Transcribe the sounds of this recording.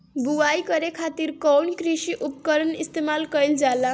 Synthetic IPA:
buajkʌɾekʰat̪iɾkɔwnkɾisiʔupkəɾənist̪emalkʌjld͡ʒala

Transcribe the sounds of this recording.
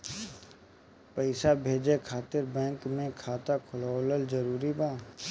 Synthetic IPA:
pəɪsabʱeːd͡ʒekʰaːt̪ɪɾbɛ̃ːŋkmẽkʰaːt̪akʰʊloːləlzəɾuːɾibaː

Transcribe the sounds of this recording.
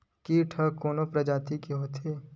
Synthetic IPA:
kiʈʰəkoːnopɾɐd͡ʒaːt̪ikeɦoːt̪ʰeː

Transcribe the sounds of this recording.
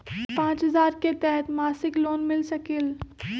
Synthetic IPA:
pãːt͡ʃɦɐzaːɾket̪ɛɦɛt̪maːsɪkloːnmɪlsɐkɪl

